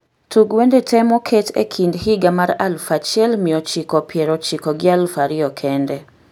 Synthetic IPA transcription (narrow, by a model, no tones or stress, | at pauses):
tʰuɡwɛndetʰɛmɔkʰetḛkʰindhɪɡamaɾalfat͡ʃɪɛlmɪɔt͡ʃɪkɔpjɛɾɔt͡ʃɪkɔɡɪalfaɾɪɔkʰɛndɛ